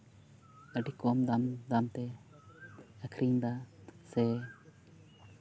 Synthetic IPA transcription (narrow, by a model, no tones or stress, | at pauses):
əɖikɔmd̪amd̪ant̪ɛ | əkʰɾiŋd̪asɛ